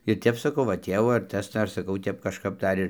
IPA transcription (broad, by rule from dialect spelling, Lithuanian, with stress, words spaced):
ɪr ˈtʲɛp sɐˈkɐʊ ʋɐ ˈtʲeːʋoː ɐr ˈtɐs ˈdɐr sɐˈkɐʊ ˈtʲɛp kɐʃˈkɐp ˈdɐr ɪr